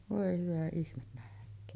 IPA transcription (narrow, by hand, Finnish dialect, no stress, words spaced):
ʋoˑe hyʋæ ihmen næhkˑøːn